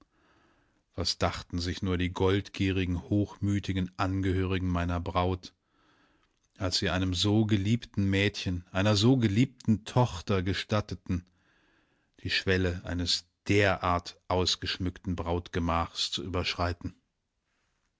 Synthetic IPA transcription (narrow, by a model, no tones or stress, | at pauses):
v̥asd̥aχtn̩zɪçnuːɐdiːɡɔltɡ̥iːʁ̞ɪɡŋ̩hoːxmyːtɪɡn̩ʔanɡəhøːʁ̞ɪɡŋ̩maɪnɐbʁaʊt | ʔalsz̥iːʔaɪnəmzoːɡəliːptn̩mɛːtçənʔaɪnɐzoːɡəliːp̚tn̩tʰɔxtɐɡəʃtatətn̩ | d̥iːʃv̥ɛləʔa̰ɪnəs | d̥eːɐʔaːɐtʔaʊsɡ̥əʃmʏktn̩bʁaʊtɡ̥əmaːχst͡suʔyːbɐʃʁ̥aɪtn̩